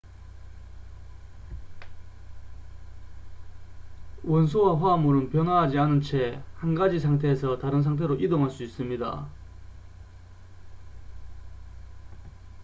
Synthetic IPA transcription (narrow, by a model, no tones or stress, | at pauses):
wʌns̬ʰowaɸwamuɾɯnpjʌnɦaɦad͡ʑianɯnt͡ɕʰe̞hanɡad͡ʑisʰaŋtʰe̞ːsʰʌtaɾɯns̬ʰaŋt̬ʰe̞ɾoʔidoŋɦaɭs͈uis͈ɯmɲida̰